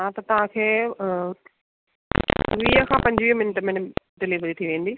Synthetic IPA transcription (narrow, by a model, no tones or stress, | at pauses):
ɦãt̪ɐt̪ɐʋãːkʰeː | ʋiːəkʰãːpɐ̃ɲd͡ʒʋiːmɪnʈmɪ̃nɖɪliʋɾit̪ʰiʋẽːnd̪iː